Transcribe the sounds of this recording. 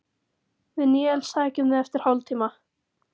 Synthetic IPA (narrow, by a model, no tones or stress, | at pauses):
vɪðnɪːɛlsaːjcʏmðɪðɛft̪ɪɾ̥hɔwlt̪ʰiːma